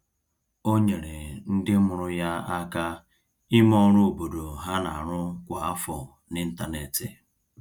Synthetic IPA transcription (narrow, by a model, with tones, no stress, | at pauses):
o˦ɲe˨ɾe˨n̩˦dɪ˦mʊ˨ɾʊ˦ja˦a˦ka˦ | ɪ˦mɔ˦ɾʊ˦o˨bo˨do˨ɦa˦na̰˨a˨ɾʊ˦kʷa˨a˦fɔ˨ | nɪ˦n̩˦ta˦ne˨tɪ˨